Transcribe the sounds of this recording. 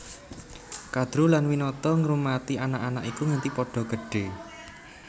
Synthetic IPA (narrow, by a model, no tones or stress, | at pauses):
kad̪̥ɾulanwinɔt̪ɔŋɾumat̪ianaʔanakikuŋant̪ipɔɖ̥ɔ̤ɡ̥əɖ̥e̤